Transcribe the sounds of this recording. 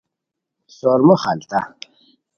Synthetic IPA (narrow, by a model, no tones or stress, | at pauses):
soːɾmoχalt̪a